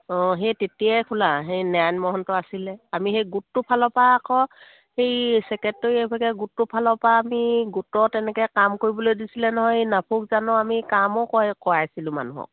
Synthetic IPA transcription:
ɔ̃ɦetetijajkʰulaɦejnajnmɔɦɔntɔasilɛamixejɡutːupʰalɔpaːkʰɔ | hejsɛkɛtːɔɹiepʰaɡɛɡutːupʰalɔpaːmiɡutɔtɛnɛkɛkamkoɹibɔlojdisilɛnɔɦɔjnapʰukzanɔamikamɔkɔkɔajsilʊ̃ma̰nuɦɔ̰k̚

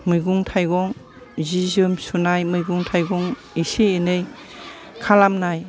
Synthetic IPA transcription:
mɯjɡuŋtʰajɡɔŋ | zizɯmsunajmɯjɡuŋtʰajɡɔŋ | isiːnɯj | kʰalamnaj

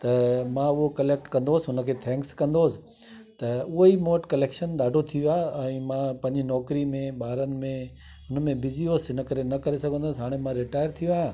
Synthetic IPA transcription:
t̪ɐmãʊɦokɐleːk̚ʈkɐ̃nd̪oːsɪɦʊnə̆kʰeːt̪ʰɛ̃ːŋkskɐ̃nd̪oːsɪ̥̆ | t̪ɐʊɦoimoːʈkɐleːkʃənɗaːɖʱot̪ʰioaːɛ̃ːmãpɐ̃ɦɪ̃ɲd͡ʑinɔːkɾimẽɓaːɾənɪ̆mẽ | ɦʊnə̆mẽbʱɪzioːsɦɪnə̆kɐɾenɐkɐɾesɐɡʱə̃nd̪oːsɦaːɽ̃emãɾɪʈaːjəɾt̪ʰijoaːã

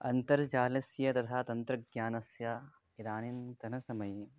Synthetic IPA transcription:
ɐnt̪ɐɾt͡ʃaːlɐsjɐt̪ɐt̪ʰaːt̪ɐnt̪ɾɐɡjaːnɐsjɐ | id̪aːnint̪ɐnɐsɐmɐj

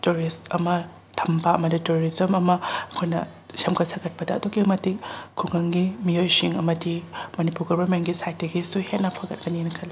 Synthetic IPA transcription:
tuɾistɐmɐ | tʰɐmpaɐmɐdituɾoɾizɐmɐmɐɐkʰojnɐ̰ | sɐmkɐtsʰɐɡɐt̚pɐdɐːdoɡimɐtikkʰuŋɐŋɡimiojsiŋɐmɐdimɐnipuɾɡɔbɐɾmenɡisajtːeɡisuhetnɐpʰɐɡɐt̚kɐninɐkʰɐlːi

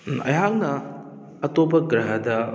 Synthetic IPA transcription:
ɐ̰jɦaŋ̚nɐ | ɐtopɐkɾɐɦɐdɐ

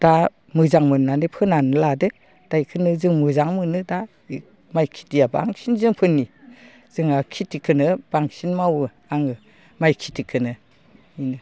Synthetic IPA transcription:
d̥a | mɯzaŋmɯnːanɯpʰɯnanladɯ | d̥ajkʰɯnɯzɯŋmɯzaŋmɯnɯda | majkʰi̥tijaba̰ŋsinzɯŋpʰɯnːi | z̥ɯŋakʰitikʰɯnɯb̥aŋsinmawɯ | aŋɯ | majkʰitʰikʰɯnɯ | inɯ

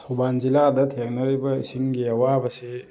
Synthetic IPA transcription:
ubanziladɐtʰeŋnɐɾibɐḭsiŋɡiawabɐse

